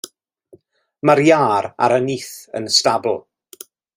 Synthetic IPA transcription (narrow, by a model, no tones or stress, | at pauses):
maɾjaːɾa̰ɾəniθə̰nstabl̩ˠ